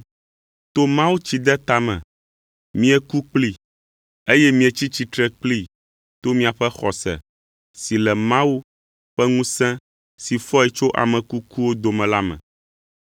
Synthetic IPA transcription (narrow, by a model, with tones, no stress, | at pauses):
t̪o˦mã˦wu˦t͡ɕi˦d̪ɛ˦t̪a˨mɛ̰̃˨ | mĩ˦ɛ˨ku˦k͡pli˦ | e˦jɛ˦mĩ˦ɛ˨t͡ɕi˦t͡ɕi˦t̪ɾɛ˦k͡pli˦ | t̪o˦mĩ˦a˨ɸɛ˦xɔ˨sɛ̰˨ | si˨lɛ˨mã˦wu˦ | ɸɛ˦ŋũ˦sɛ̃˦ | si˨fɔ˦ɛ˨t͡ʃo˦ʔa̰˨mɛ̃˨ku˦ku˦wo˦d̪o˨mɛ̃˨la˦mɛ̰̃˨